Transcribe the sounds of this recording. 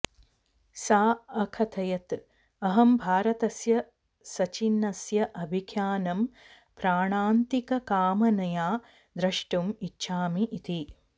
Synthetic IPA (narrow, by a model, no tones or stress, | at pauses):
saːɐkʰɐt̪ʰɐjɐt̪ | ɐɦɐmbʱaːɾɐt̪ɐsjɐ | sɐt͡ʃinːɐsjɐʔɐbʱikʰjaːnɐm | pɾaːɳaːnt̪ikɐkaːmɐnɐjaː | d̪ɾɐʂʈumitːʃʰaːmiʔit̪i